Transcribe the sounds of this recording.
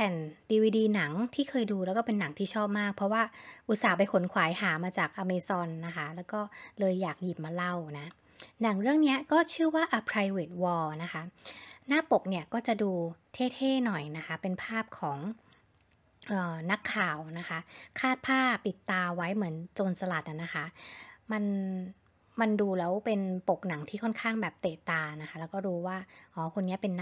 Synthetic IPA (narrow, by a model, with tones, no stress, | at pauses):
pʰɛː˨˩ndiː˧wiː˧diː˧na˩˦ŋt̪ʰiː˥˩kʰɤː˧jduː˧lɛː˦˥wkɔː˥˩pe˧nːa˩˦ŋt̪ʰiː˥˩t͡ɕʰɔː˥˩p̚maː˥˩k̚pʰɾɔ˦˥waː˥˩ʔuː˧saː˨˩pa˧jkʰo˩˦nkʰwaː˩˦jhaː˩˦maː˧t͡ɕaː˨˩k̚ʔa˧meː˧sɔ˧nːa˦˥kʰa˦˥lɛː˦˥wkɔː˥˩lɤː˧jːaː˨˩k̚jiː˨˩p̚maː˧la˥˩wna˦˥ | na˩˦ŋɾɯ˥˩əŋni˦˥ɐkɔː˥˩t͡ɕʰɯː˥˩waː˥˩ʔa˧pʰɾa˧jweː˨˩t̪̚wɔː˧na˦˥kʰa˦˥naː˥˩po˨˩k̚ni˥˩ɐkɔː˥˩t͡ɕa˨˩duː˧t̪ʰeː˥˩t̪ʰeː˥˩nɔ˨˩jna˦˥kʰa˦˥pe˧npʰaː˥˩p̚kʰɔː˩˦ŋ | ʔɤː˨˩na˦˥kʰːaː˨˩wna˦˥kʰa˦˥kʰaː˥˩t̪̚pʰaː˥˩pi˨˩t̪ːaː˧wa˦˥jmɯ˩˦ənt͡ɕoː˧nsa˧la˨˩t̪̚ʔa˨˩nːa˦˥xʰa˦˥ma˧n | ma˧nduː˧lɛː˦˥wpe˧npo˨˩k̚na˨˩˦ŋt̪ʰiː˥˩kʰɔ˥˩nkʰaː˥˩ŋbɛː˨˩p̚t̪eː˨˩t̪aː˧na˦˥kʰa˦˥lɛ˦˥wkɔː˥˩duː˧waː˥˩ʔɔː˧˩kʰo˧nːi˦˥ɐpe˧nː˦